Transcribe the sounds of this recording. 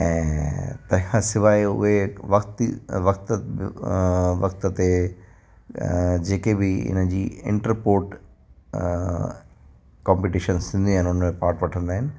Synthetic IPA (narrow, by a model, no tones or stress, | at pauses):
ɛ̃ːt̪ɐ̃ɦɪ̃kʰãsɪʋaːeʊ̰ɦeʋɐkt̪iʋɐkt̪ | ʋɐkt̪ət̪e | d͡ʑeːkebɪɪ̰nəd͡ʑiːɪ̰̃ɳʈəɾpoːɾʈ | kãːmpiʈiʃənsɪ̃nd̪iaːɦɪ̃nʊnəmẽpaːɾʈʋɐʈʰə̃nd̪aːɦɪnɪ̆